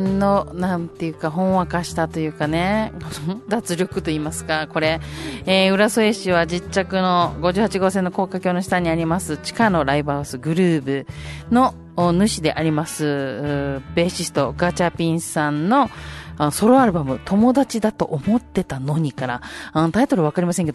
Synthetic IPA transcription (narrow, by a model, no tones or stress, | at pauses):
no̞nãnt̪e̞jɯ̟ːkaɦõ̞ɰ̃βakaɕi̥t̪at̪o̞jɯ̟ːkane̞kod̪at͡sɨɾʲo̞kɯ̟t̪o̞iːmasɨ̥kako̞ɾe̞eɯ̟ɾasoe̞ɕiβad͡ʑit͡ɕːakɯ̟no̞ɡo̞ʑɨːhat͡ɕiɡo̞ːsẽ̞nːo̞ko̞ːkakʲo̞ːno̞ɕi̥t̪aɲ̟ːiaɾʲimasɨt͡ɕi̥kano̞ɾaibasɨɡɯ̟ɾɯ̟ːbɯ̟no̞ | nɯ̟ɕid̪e̞ʔaɾʲimasɨ | be̞ɕisɨ̥t̪o̞ɡat͡ɕapʲĩɰ̃sãnno̞anoso̞ɾoaɾɯ̟bamɯ̟t̪ʰo̞mo̞d̪at͡ɕid̪at̪o̞ʔomo̞t̪ːe̞t̪ano̞ɲ̟ikaɾãːnt̪ait̪o̞ɾɯ̟βakaɾʲimaseŋke̞d̪o